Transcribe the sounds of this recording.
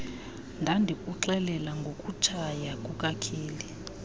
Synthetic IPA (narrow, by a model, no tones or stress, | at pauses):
ndʱandʱikʼuǁɛlɛlaŋɡʱokʼut͡ʃʰajakʼukʼakʰiːli